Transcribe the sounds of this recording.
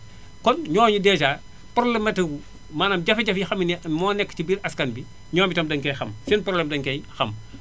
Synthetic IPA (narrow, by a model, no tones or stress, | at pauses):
kɔnɲɔːɲudɛːt͡ʃaː | pɾɔblɛmːɐtɐɡu | maːnɐmɟɐfɐɟɐfjixɐminmɔːnɛkːcibiːɾʔɐskɐnbi | ɲɔːmbitɐmdɐŋkɛjxɐmfinpɾɔblɛmdɐŋkɛjxɐm